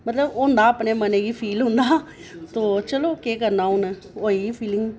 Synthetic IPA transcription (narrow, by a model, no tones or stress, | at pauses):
mət̪ləbʊːnd̪aːəpneːməneːɡiːpʰiːlɦʊnd̪aːt̪oːt͡ʃəloːkeːk̬əɾnaːʊnə | oːiːɡiːpʰiːlɪŋɡ